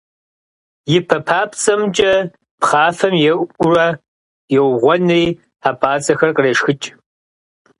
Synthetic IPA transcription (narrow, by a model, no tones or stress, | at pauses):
jɪpʰɐpʰaːpʰt͡sʼɐmt͡ʃʼɐ | pχaːfɐmjɛʊrɐ | jɛwʁʷɔnriː | aːpʰaːt͡sʼɐxɐrqəreːʂxɨt͡ʃʼ